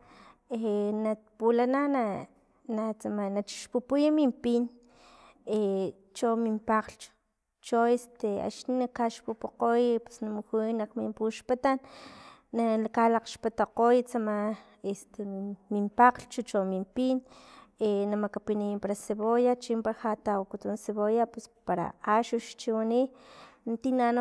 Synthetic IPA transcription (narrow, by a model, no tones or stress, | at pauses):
enapulanana | nat͡samanat͡ʃi̥ʃpupujamimpin | e | t͡ʃomimpaqlt͡ʃu̥ | t͡ʃoest̪ea̰t͡ʃninakaʃpupuqojpe̥snamuxunaqmimpuʃpat̪anː | alakalaqʃpat̪aqojt͡sama | est̪emimpaqlt͡ʃut͡ʃomimpinenamakapinaimpaɾaseβojat͡ʃimpaɾaxat̪awkut̪unseβojapespaɾa̰aʃuʃt͡ʃiwanint̪inan